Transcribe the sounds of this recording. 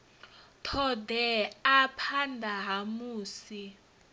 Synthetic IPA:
tʰɔdɛapʰandʱaɦamuːsi

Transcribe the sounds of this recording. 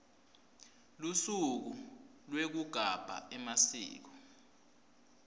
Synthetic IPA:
lusuk̬ulwek̬uɡ̥ʱab̥ʱa̰ɛmasḭːk̬ɔ

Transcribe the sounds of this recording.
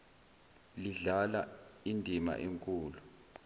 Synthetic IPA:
liɮala̰indʱima̰ʔeŋkʼuːlu

